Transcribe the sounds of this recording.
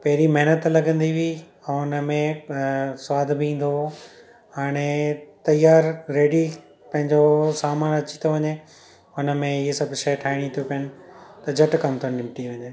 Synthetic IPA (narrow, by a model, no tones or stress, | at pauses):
pɐɦɾimɐɦɪnət̪lɐɡə̃nd̪iʋĩ | ʊnəmẽ | sʋaːd̪ʱbĩːn̆d̪o | ɦaːɽ̃et̪ɐjaːɾɾeːɖi | pɐ̃ɦɪ̃ɲd͡ʑosaːmaːnɐt͡ɕi̥t̪ʰoʋɐɲe | ʊnə̆mẽɪesɐbʱʃɐjʈʰaːɪɽ̃ĩt̪ʰjopɐənɪ̆t̪ɐd͡ʑʱɐʈkɐmt̪ʰonnɪ̃mʈiʋɐ̃ɲeː